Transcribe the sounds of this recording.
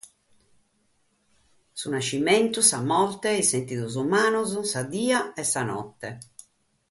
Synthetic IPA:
sunat͡ʃːimɛnt̪usamɔlt̪ɛisent̪iðuzumaːnɔzusad̪iːaɛsːanɔ̰t̪ːɛ

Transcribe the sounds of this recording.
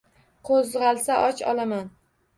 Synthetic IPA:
qʰozʁɑlˠsaʔɒt͡ʃɒ̰laman

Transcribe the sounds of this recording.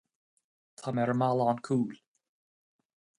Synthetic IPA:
t̪ʰamɛɾəmalˠaːnkʰuːl

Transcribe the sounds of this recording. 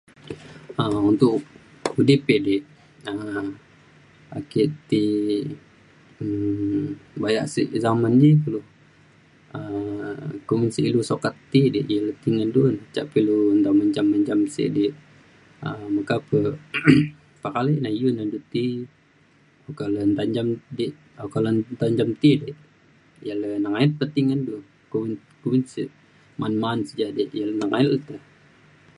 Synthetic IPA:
əunt̪ʊʔ | udipidiʔ | ə | akiʔt̪i | ə | bajaʔsḭʔzamand͡ʒikəlu | ə | kumənsiʔilusokat̪ːidiʔjələt̪iŋandunt͡ʃa̰ʔpilund̪aməɲd͡ʒaməɲd͡ʒamsḭʔdiʔ | əməkapə | pakalinaijunandut̪i | okalənd̪aɲd͡ʒamdiʔ | akalənd̪aɲd͡ʒamt̪idiʔ | jalənaŋait̪̚pət̪iŋandu | kuwin | kuminsiʔ | manmansəd͡ʒadeʔjalnaŋailt̪ə

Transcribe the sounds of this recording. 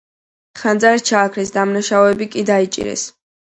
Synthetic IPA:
χand̪zaɾt͡ʃʰaːkʰɾisd̪amnaʃaɔɛbikʼid̪ait͡ʃʼḭɾɛ̰s

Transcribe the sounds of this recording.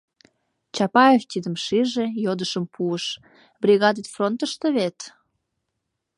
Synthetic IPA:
t͡ɕɑpɑeft̪ʲid̪əmʃiʒejod̪əʃəmpʰuəʃ | brʲiɣɑd̪et̪front̪əʃt̪eβet̪

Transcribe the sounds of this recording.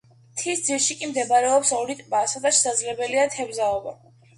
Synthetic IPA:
t̪ʰisd̪zilˠʃikʼimd̪ɛbaɾɛɔpsɔɾit̪ʼbasad̪aʃɛsad̪zlɛbɛliat̪ʰɛbzaɔba

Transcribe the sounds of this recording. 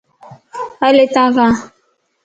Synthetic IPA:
alet̪ãkã

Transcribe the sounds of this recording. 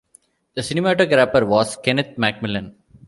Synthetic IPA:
d̪̥əsɪnɪmæʈəɡɾæpəɾʋɔːzkɛnɪt̪̚mæk̚mɪlə̃n

